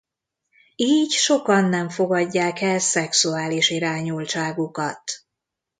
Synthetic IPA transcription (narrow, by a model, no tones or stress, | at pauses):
iːɟʃo̞kɒnːɛɱfo̞ɡɒɟːaːkɛlsɛksuaːliʃiɾaːɲult͡ʃaːɡukɒt̪